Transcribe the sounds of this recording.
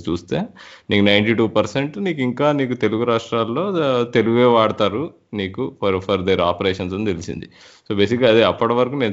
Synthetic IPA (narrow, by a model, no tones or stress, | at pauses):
t͡ʃuːst̪eːniːkunɐjɳʈiːʈuːpɐɾse̞ɳʈniːkiŋkaːniːkut̪e̞luɡuɾaːʂʈɾaːlːo̞ːt̪e̞luɡeːʋaːɽɐt̪aːɾu | niːkupɐɾpʰɐɾd̪eɾa̰ːpɐɾeːʂɐnsont̪elisḭnd̪i | so̞ːbe̞ːsikɡaɐd̪iɐpːɐʈɐʋɐɾɐkuːne̞ːn